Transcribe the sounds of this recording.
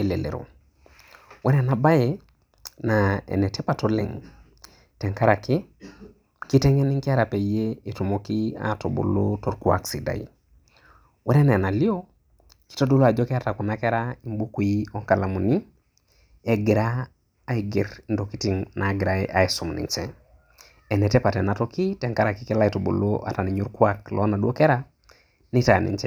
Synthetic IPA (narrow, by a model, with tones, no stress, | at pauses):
e˨le˨lḛ˨ɾo̰˨ | wɛ˦ɾa˨na˨ba˦je | naḛ˨ne˨te˦pa˨to˦lḛ˨ŋ | tɛ˨ŋka˦ɾa˨ki˦ | ki˦tɛ˦ŋe˦ni˦ŋki˦a˦ɾa˨pe˨jee˨tu˨mokia̰to̰˨bo̰˨lo˦to˨ɾkua̰˨ksi˨da̰˨ḭ˨ | wɛ˦ɾe˦n˨a˨na˨li˦o˦ | ki̥˦to˦du˦la˨d͡ʒɔ˦ka˦ta˨kɔ˨na˦kɛ˦ɾai˨˦mbu˦ku˨i˦ɔ˦ŋka˨la˨mu˨ni˦ | ɛ˦ɡi˨ɾaː˦ | i˨ɡi˨ɾndo˨ki˦ti˨ŋna˨ɡi˨ɾa˦ḛ˦ʔa̰˨e˨su˨mnḭ˨t͡ʃɛ˦ | ɛ˨nɛ˨tɛ˦pa˨tɛ˨na˨tɔ˦ki˦tɛ˨ŋka˦ɾa˨ki˦kɛ˦la˦i˨to˨bo̰˨lo˦ʔa̰˨ta˨ni˨ɲu˦ɾkwa˦klɔ˨˦na˨dwo˦kɛ˦ɾa˦ | ni˦ta˨nḭ˨t͡ʃɛ˦